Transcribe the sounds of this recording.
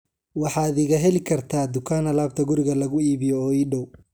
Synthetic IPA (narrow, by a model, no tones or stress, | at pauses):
wɑħɑːd̪ɪɣɐɦɛlɪkʰɐrt̪ʰaːd̪ʊkʰaːnɐlaːb̚t̪ʰɐɡʊɾɪɣɐlɐɣʊiːβɪjɔɔːiːɖɔw